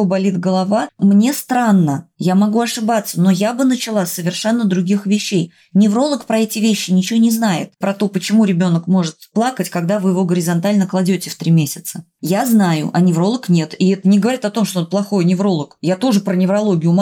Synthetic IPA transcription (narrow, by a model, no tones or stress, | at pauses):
obɐlʲit̪ɡəlˠɐvamnʲe̞st̪ɾanːəjamɐɡuɐʂɨbat̪sːəno̞jabɨnət͡ɕɪlˠasʲsːəvʲɪrʂɛnːəd̪ɾʊɡʲixvʲɪɕːej | nʲɪvɾo̞lˠəkpɾɐɛtʲɪvʲeɕːɪnʲɪt͡ɕɪvonʲɪznajɪ̰t̪̚pɾɐt̪o̞pət͡ɕɪmuɾʲɪbʲo̞nəkmo̞ʐɨt̪plˠakətʲkɐɡd̪avɨjɪvo̞ɡəɾʲɪzɐnt̪alʲnəklˠɐdʲotʲɪft̪ɾʲimʲesʲɪt̪sə | jaznajʊ̰ʔɐnʲɪvɾo̞lˠəknʲe̞t̪iɛt̪ənʲɪɡəvɐɾʲit̪ɐt̪o̞mʂt̪onplˠɐxo̞jnʲɪvɾo̞lˠəkjat̪o̞ʐɨpɾənʲɪvɾɐlˠo̞ɡʲɪjʊm